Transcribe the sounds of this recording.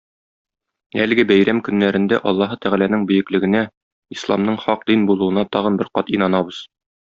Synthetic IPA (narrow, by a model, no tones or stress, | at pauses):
ælɘ̆ɡɘbæjɾæmkɵ̆nːæɾɘ̆nd̪æʔɒlˠːɑɦɤt̪æʁælænɘŋbɵ̆jɘ̆klɘ̆ɡɘ̆næ | islˠɑmnɤɴχɒq̚d̪inbulˠuɤ̆nɑt̪ɒʁɤ̆nbɘɾqɒt̪inɑnɑbɤz̥